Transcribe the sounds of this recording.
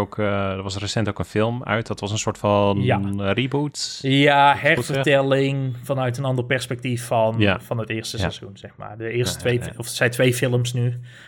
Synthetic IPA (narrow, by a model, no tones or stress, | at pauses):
okdəɹʋɑsrəsɛntowkənfɪlˠmœ̰ɥtdɑtʋɑsənsoːɹtfɑnjaributjahɛrfərtɛlɪŋfɑnœɥtənɑndərpɛrspɛk̚tifɔnfɑnətɪːɹstəssɛzunsɛxma̰ːrdəɪːrsttʋejɔfsɛjtʋejfɪlˠəmsny